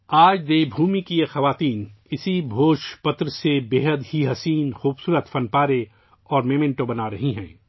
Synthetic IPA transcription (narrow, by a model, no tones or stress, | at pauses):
aːd͡ʒd̪eːbʱuːmikijexɐʋaːt̪iːn | ɪsibʱoːʃpɐt̪ɾsebeːɦəd̪ɦiɦɐsiːnxuːbsuːɾət̪fɐnpaːɾe | ɔːɾmeːmẽɳʈobɐnaɾɐɦiɦɛ̰̃ː